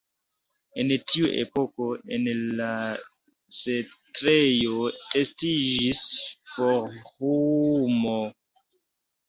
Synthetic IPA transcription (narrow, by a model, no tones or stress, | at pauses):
e̞ntʰiuʔḛpo̞ko̞enla | setɾejoestid͡ʒisfoɾhumo